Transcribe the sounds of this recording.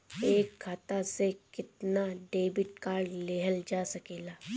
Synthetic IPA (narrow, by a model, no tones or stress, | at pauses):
eːkɡʰat̪asekɪt̪naɖeːbɪʈ̚kaːɾleːɦəld͡ʒaːsɐkeːlaː